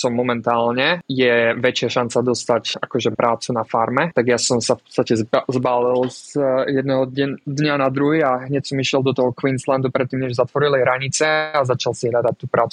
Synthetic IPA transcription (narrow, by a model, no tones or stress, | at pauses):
sɔmːɔmɛnt̪aːlɲɛjɛʋɛt͡ʃɪaʃant͡sad̪ɔst̪acakɔʒɛpɾʔaːt͡sunafaɾmɛt̪aɡjasɔmsafpɔ̥t͡sst̪acɛzbaːlilzjɛd̪nɛɦɔd̪ɲanad̪ɾuɦiːaɦɲɛcsɔmiʃɪɛlˠd̪ɔt̪ɔɦɔkʋinsland̪upɾɛt̪ːiːmɲɛʒzat̪ʋɔɾilɛɦɾaɲit͡sɛazat͡ʃalsiɦlad̪ac̚t̪uːpɾaːt͡su